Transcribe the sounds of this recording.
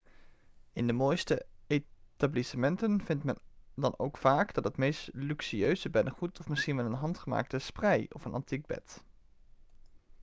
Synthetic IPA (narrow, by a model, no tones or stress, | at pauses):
ɪndəmoːjstəetablisəmɛntənv̥ɪntmɛndɑno̰wkfaːɡd̥ɑtɦətmejstlyksiøɥzəbɛnəχutɔfmɪsχinʋɛlənɦɑntχəma̰ːk̚təsprɛjɔfənʔɑ̰ntiɡ̚bɛ̰t